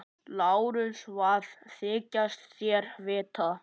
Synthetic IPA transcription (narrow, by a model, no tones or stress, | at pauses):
laːwɾʏsvaðθɪːcast̪sjɛɾvɪːt̪ʰa